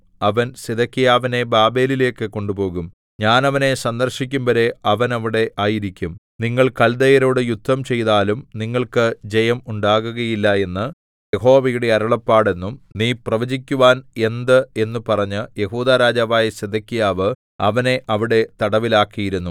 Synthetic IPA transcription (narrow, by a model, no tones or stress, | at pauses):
ɐʋɐnsed̪ɐkːijaːʋine̞baːbe̞ːlile̞ːkːɨko̞ɳɖupo̞ːɣum | ɲaːnɐʋɐne̞sɐnd̪ɐrɕikʲːumbɐɾe̞ɐʋɐnɐʋiɽe̞ʔaːjiɾikʲːum | niŋːɐɭkɐld̪ɐjɐɾo̞ːɽɨjut̪ːɐmt͡ɕe̞jt̪aːlumniŋːɐɭkɨd͡ʑejɐmuɳɖaːɣuɣɐjilːɐe̞nːɨ | jeɦo̞ːʋɐjuɽe̞ɐɾɐɭɐpːaːɽe̞nːumniːprɐʋɐd͡ʑikʲːuʋaːne̞nd̪ɨe̞nːupɐrɐɲːɨje̞huːd̪aːɾaːd͡ʑaːʋaːjɐsed̪ɐkːijaːʋɨ | ɐʋɐne̞ʔɐʋiɽe̞t̪ɐɽɐʋilaːkːijiɾunːu